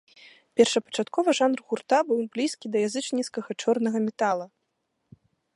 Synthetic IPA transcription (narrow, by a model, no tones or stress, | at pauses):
pʲɛrʂɐpɐ̥t͡ʂat̪kɔvɐʐanrɣurt̪abɨwblʲiskʲid̪ɐjazɨt͡ʂnʲit̪skɐɣɐt͡ʂɔrnɐɣɐmʲɛt̪alˠɐ